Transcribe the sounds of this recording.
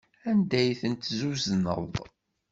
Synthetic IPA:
ænd̪æjθənt̪zuzənə̰ðˤ

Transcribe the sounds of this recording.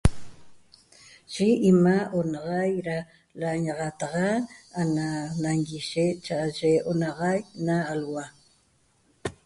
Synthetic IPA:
ʒ̥ɪːmaʔonɑʁɑjɾa | laɲɑʁɑt̪ɑʁɑananaŋɡiʃet͡ʃaʔʒeonɑʁɑjnaːlwa

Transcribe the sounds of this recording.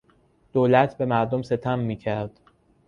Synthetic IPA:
d̪̥oːlæt̪ʰbe̞mæɾd̪omse̞t̪ʰæmːiːcʰæɾd̪̥

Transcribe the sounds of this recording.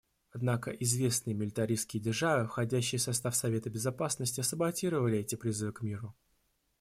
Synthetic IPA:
ɐd̪nakə̰ʔɪzvʲe̞snɨjəmʲɪlʲɪt̪ɐɾʲiskʲɪjədʲɪrʐavɨfxɐdʲæɕːɪjəsɐst̪afsɐvʲe̞t̪əbʲɪzɐpasnəsʲtʲɪɐsəbɐtʲiɾəvəlʲɪɛtʲɪpɾʲɪzɨvɨkmʲiɾʊ

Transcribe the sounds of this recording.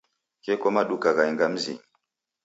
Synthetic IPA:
kekomaɗukaɣaiŋɡam̩zḭŋ

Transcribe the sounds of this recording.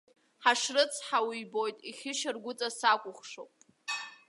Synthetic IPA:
ħaʂrɨt͡sʰħawijbo̞jtʼiχʲɪʃɪrɡʷʊt͡sʼasakʷʼʊχʂowpʼ

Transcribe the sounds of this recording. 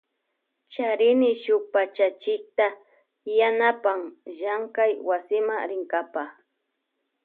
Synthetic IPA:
t͡ʃaɾɪnɪʃʊk̚pat͡ʃat͡ʃɪk̚t̪a | janapaŋʒaŋkajwasɪmaŋɾɪŋkapa

